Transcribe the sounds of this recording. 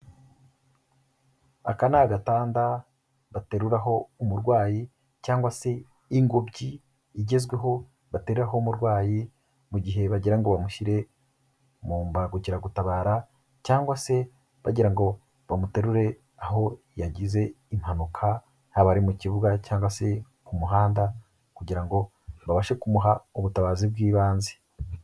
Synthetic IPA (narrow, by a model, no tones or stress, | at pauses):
a̰kanaɡataːnda | βate̞ɾuɾaɦo̞umuɾɡwaːji | caːŋɡwase̞ | iŋɡo̞bɟiː | ɟe̞zɡwe̞ɦo̞ | βate̞ɾuɾaɦo̞muɾɡwaːji | muɟiɦe̞βaɟiɾaŋɡo̞βamuʃiɾe̞ | muːmbaɡuciɾaɡutaβaːɾa | caːŋɡwase̞ | βaɟiɾaŋɡo̞ | βamuteɾuɾe̞ | aɦo̞ | jaɟize̞ | im̥hanukʰa | haβaɾimuciβuɡacaːŋɡwase̞ | kumuɦaːnda | kuɟiɾaŋɡo̞ | βaβaʃe̞kumuɦaoβutaβaːzibɡiːβaːnzi̥